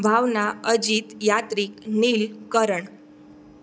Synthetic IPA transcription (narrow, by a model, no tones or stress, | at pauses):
bʱaʋnaəd͡ʑit̪jat̪ɾiːkniːlkəɾəɳ